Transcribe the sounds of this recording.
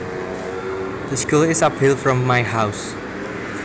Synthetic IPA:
ðəskulɪsapʰilˠfɹɔ̃mːaɪɦaʊs

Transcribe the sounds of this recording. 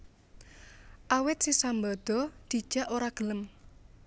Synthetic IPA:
ʔawɪt̪̚sisambɔd̪̥ɔ̤d̪̥i̤d̥ʒ̥a̤ʔoɾaɡ̥ə̤ləm

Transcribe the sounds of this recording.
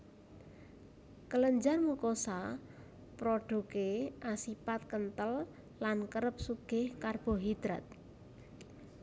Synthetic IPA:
kələɲd͡ʒarmukosa | pɾoɖ̥ṳkeʔasipat̪̚kənt̪əlː | ankəɾəp̚suɡ̥ehkarb̥ɔ̤ɦid̪̥ɾat̪̚

